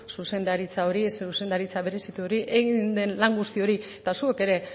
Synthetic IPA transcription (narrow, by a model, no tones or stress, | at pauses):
suse̞nd̪aɾit͡sao̞ɾisuse̞nd̪aɾit͡saβe̞ɾe̞sit̪uo̞ɾiʔeɣind̪e̞nlaŋɡust̪io̞ɾiet̪asueke̞ɾe̞